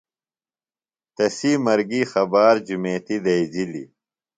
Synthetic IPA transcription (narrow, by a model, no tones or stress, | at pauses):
t̪ɐsiːmɐɾɡiːxɐbaːɾd͡ʑumeːt̪id̪ɐid͡ʑilḭ